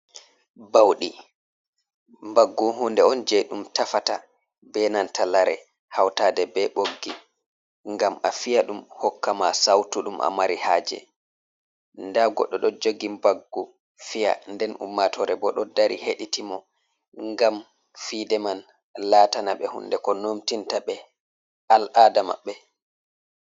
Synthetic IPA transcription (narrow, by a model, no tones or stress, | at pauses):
bawɗi | mbaɡːuɦundɛɔnd͡ʒɛɗumtafata | bɛnantʰalaɾɛ̰ | hawtadɛbɛɓoɡːi | ŋɡamafijaɗumhɔkːamasawtuɗumʔa̰maɾihaːd͡ʒɛ̰ | ndaɡɔɗːɔɗɔd͡ʒoɡimbaɡːu | fija̰ndɛnṵmːatʰɔɾɛbɔɗɔdaɾiheɗitimɔ | ŋɡam | fidɛman | latanaɓɛhṵndɛkɔnomtintaɓɛ | alʔadama̰ɓːɛ